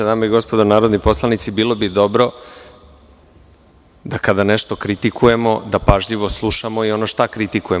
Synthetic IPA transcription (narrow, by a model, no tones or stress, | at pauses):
enamaiɡo̞spo̞d̪onaːɾod̪nipo̞slˠanit̪sibiːlˠo̞bid̪o̞bɾo̞ | d̪akad̪ane̞ʃt̪o̞kɾit̪ikʰuje̞mo̞d̪apaʒʎiʋo̞slˠuʃamo̞io̞noʃt̪akɾit̪ikuje